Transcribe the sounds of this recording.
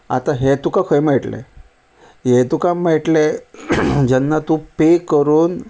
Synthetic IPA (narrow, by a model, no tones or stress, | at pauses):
a̰t̪aɦet̪ukakʰəjmɛʈlḛ | ɦet̪ukameʈle | d͡ʑɛnːat̪ũpekːəɾuːn